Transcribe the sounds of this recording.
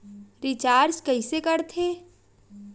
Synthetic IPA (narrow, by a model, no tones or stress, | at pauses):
ɾɪt͡ʃaːɾd͡ʒkəɪsekəɾt̪ʰeː